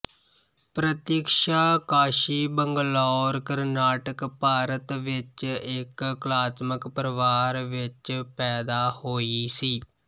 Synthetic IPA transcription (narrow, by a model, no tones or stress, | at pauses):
pɾət̪jɪkʃaːkaːʃiːbəŋɡlɔːɾkəɾnaːʈəkpaːɾət̪ʋɪt͡ʃɪkklaːt̪məkpəɾəʋaːɾʋɪt͡ʃpɛːd̪aːhoːisiː